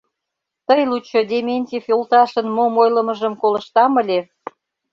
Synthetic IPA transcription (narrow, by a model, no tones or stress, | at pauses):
t̪əjlut͡ɕod̪ʲemʲenʲtʲifjolt̪ɑʃənmomojlə̆mə̆ʒəmkolə̆ʃt̪ɑməlʲe